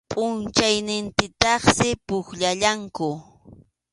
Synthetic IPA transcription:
pʼʊnt͡ʃajnɪnt̪ɪt̪ɑχsɪpʊkʎaʎaŋkʊ

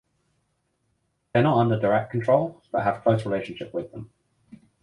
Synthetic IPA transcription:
ðənətʌ̃ndədəɹɛk̚kʰə̃ntɹ̥ɒʊlˠb̥ʌʔɦəv̥kʰl̥əʊθɹɪleɪʃə̃nʃɪpwɪðə̃m

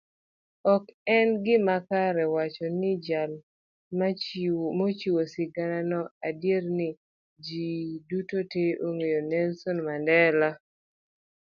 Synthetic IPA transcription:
ɔkɛnɡɪmakaɾɛwat͡ʃɔnɪd͡ʒal | mamot͡ʃiwosɪɡananɔadjernɪ | d͡ʒidutoteʔoŋejonɛnsɔnmandɛla

